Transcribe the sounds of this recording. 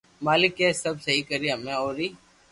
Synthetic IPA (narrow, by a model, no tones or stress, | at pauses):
maːlɪkːeːsəbsəɦiːkəɾiːamɛ̃oːɾiː